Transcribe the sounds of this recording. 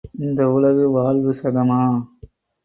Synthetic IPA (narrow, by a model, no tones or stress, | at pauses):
ɪnd̪ɐʊlɐʋɯʋaːlʋɯsɐðɐmaː